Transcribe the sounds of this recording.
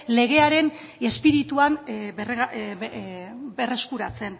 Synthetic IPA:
le̞ɣ̞e̞aɾe̞n | e̞spiɾit̪uaner | be̞re̞skuɾat͡se̞n

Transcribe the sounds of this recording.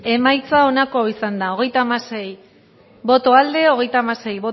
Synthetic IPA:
e̞majt͡sao̞nako̞aisand̪ao̞ɣe̞jt̪amase̞j | βo̞t̪o̞ald̪e̞o̞ɣ̞e̞jt̪amase̞jβo

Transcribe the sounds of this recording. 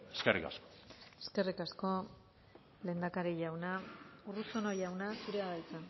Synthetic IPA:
eskerḭka̰sko̥ | eske̞rikasko̞ | le̞ːnd̪akaɾiʝawnaurusonoʝawnasuɾe̞aðelt͡sa

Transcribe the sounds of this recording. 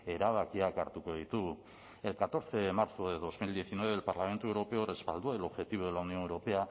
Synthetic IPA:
e̞ɾaβ̞akiakaɾt̪uko̞ðit̪u | e̞lkat̪o̞ɾt͡se̞maɾt͡soeðo̞zmild̪ie̞θinweβe̞lpaɾlame̞nt̪uewɾo̞pe̞ore̞spa̰ld̪uaelo̞βxe̞t̪iβoðe̞launio̞newɾo̞pe̞a

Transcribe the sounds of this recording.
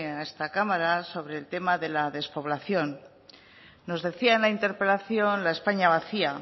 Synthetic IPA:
eae̞st̪akamaɾaso̞β̞ɾe̞ːlt̪e̞maðe̞laðe̞spo̞β̞laθjo̞n | o̞zðe̞θiaenlaint̪e̞ɾpe̞laθjo̞nlaespaɲaβ̞aθia

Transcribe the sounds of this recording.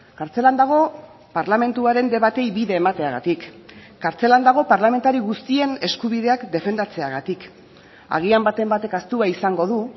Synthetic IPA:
kaɾt͡se̞land̪aɣ̞o̞ | paɾlame̞nt̪uaɾe̞nd̪e̞βat̪e̞jβiðe̞ːmat̪e̞aɣ̞a̰t̪ikː | aɾt͡se̞land̪aɣ̞o̞paɾlame̞nt̪aɾiɣust̪ie̞ne̞skuβ̞ið̞e̞akd̪e̞fe̞nd̪at͡se̞aɣat̪ik | a̰ɣ̞iambat̪e̞mbat̪e̞kast̪uaisaŋɡo̞ðu

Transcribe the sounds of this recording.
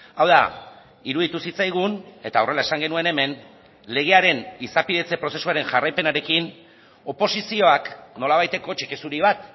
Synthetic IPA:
awða̰ | iɾuð̞it̪usit͡sajɣ̞une̞t̪ao̞re̞lae̞saŋɡe̞nue̞ne̞me̞n | le̞ɣe̞aɾe̞nisapiðe̞t͡se̞pɾo̞se̞suaɾe̞nʝarajpe̞naɾe̞kin | o̞po̞sisio̞akno̞laβajt̪e̞ko̞t͡ʃikesuɾiβat̪

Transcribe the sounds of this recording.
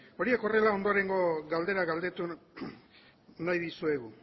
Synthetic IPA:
o̞ɾie̞ko̞re̞lao̞nd̪o̞ɾe̞ŋɡo̞ɡald̪e̞ɾaɣald̪e̞t̪u | najðisue̞ɣu

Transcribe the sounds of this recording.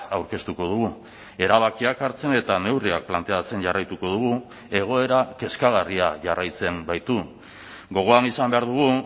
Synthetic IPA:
awɾke̞st̪uko̞ðuɣu | e̞ɾaβ̞akiakaɾt͡se̞ne̞t̪ane̞wriak̚plant̪e̞at͡se̞nʝarajt̪uko̞ð̞uɣu | e̞ɣ̞o̞e̞ɾake̞skaɣariaʝarajt͡se̞mbajt̪u | ɡo̞ɣ̞o̞anisambe̞aɾðuɣ̞u

